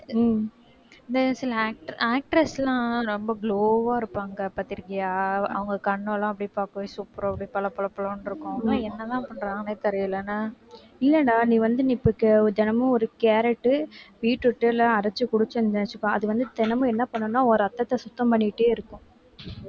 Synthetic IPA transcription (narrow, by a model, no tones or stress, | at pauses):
ɪnd̪ɐsɪlɐaːk̚ʈɾaːk̚ʈɾɛslãːɾɔmbɐɡloːʋaːɪɾɯpːaːŋɡɐpaːɾt̪iɾɯŋɐjaːɐ̰ʋɐŋɡɐkɐɳːʊ̃lãːɐpːɐɽipaːkɯʋesupːɾɐpːɐɽipɐlɐpːɐlɐpːɐloːnɪɾɯkːʊ̃nãɛnːɐt̪ãːpɐɳɾãːŋɡneːt̪ɛɾɪjɪlɐnːaː | ɪlːɛnːaːniːʋɐnd̪ɯnipːɯkːɯd̪ɛnɐmʊ̃ɔɾɯkeːɾɛʈːɯʋiːʈːɯʈːɯlɐɐɾɐt͡ʃːɯkʊɽɯt͡ʃːɯ̃nnɐnɐt͡ʃːɯkːõːʔɐðɯʋɐnd̪ɯt̪ɛnɐmʊ̃ɛnːɐpɐɳːɯ̃nːaːɔɾɯɐt̪ːɐt̪ːɐsʊt̪ːɐ̃mpɐɳːɪʈːeːɪɾɯkːʊ̃